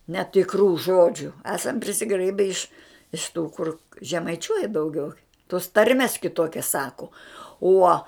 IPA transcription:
nʲɛtʲɪkˈruː ˈʒoːd͡ʒʲʊ ˈæːsɐm pʲrʲɪsʲɪˈɡrɐɪbʲɛ ɪʃ ɪʃ ˈtuː kʊr ʒʲɛmɐɪˈt͡ʃʲuɔjɛ dɐʊˈɡʲɛʊ toːs ˈtɐrʲmʲɛs kʲɪˈtoːkʲɛs ˈsɑːkʊ ˈuɔ

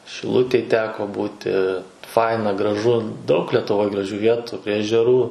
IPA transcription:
ʃʲɪˈlˠʊtʲeːj ˈtʲæːkoː ˈbuːtʲɪ ˈfɐɪnɐ ɡrɐˈʒʊ dɐʊk lʲiɛtʊˈʋoːj ɡrɐˈʒʲuː ˈʋʲiɛtʊ pʲrʲiɛ ɛʒʲɛˈruː

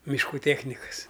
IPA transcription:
mʲɪʃˈkuː ˈtʲeːxʲnʲɪkɐs

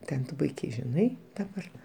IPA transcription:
ˈtʲɛn tʊ ˈpʊɪkʲɛɪ ʒʲɪˈnɐɪ dɐˈbɐr

